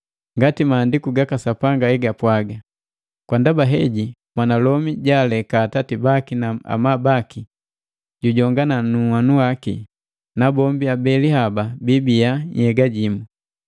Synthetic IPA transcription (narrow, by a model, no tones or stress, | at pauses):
ŋɡatimaːndikuɡakasapaŋɡaɛɡapwaɡa | kwandabaɦɛɟi | mwanalɔmiɟalɛkaːtatibakinaa̰mabaki | ɟuɟɔŋɡananuwanuwakḭ | nabɔmbiabɛlihababibiaɲhɛɡaɟimu